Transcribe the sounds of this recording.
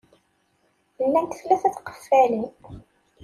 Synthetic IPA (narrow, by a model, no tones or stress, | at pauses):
lːænt̪ə̥θlæθæθqə̥fːælən